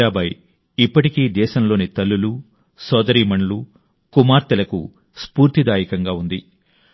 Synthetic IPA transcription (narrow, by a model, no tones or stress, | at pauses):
aːbɐj | ipːɐʈikiːd̪ɛːʃɐmlo̞ːnit̪ɐlːulu | sɔːd̪ɐɾiːmɐɳlu | kumaːɾt̪ɐlɐkṵ | spuːɾt̪id̪aːjikɐŋɡaːund̪i